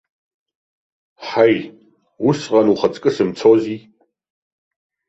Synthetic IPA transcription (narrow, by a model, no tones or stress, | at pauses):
ħaj | usʁanuχat͡sʼkʼɨsɨmt͡sʰozi